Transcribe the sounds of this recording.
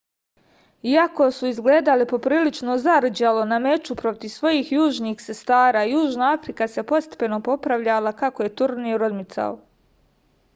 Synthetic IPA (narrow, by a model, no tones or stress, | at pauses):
iako̞suizɡleːd̪alipo̞pɾiːlit͡ʃnozaɾd͡ʑalˠo̞name̞t͡ʃupɾo̞t̪iʋsʋo̞jiːxjuːʒniːxse̞st̪aːɾaːjuːʒnaafɾikase̞po̞t̪st̪e̥pe̞no̞po̞pɾaʋʎalˠakakoje̞t̪uɾniɾod̪mit̪sa̰o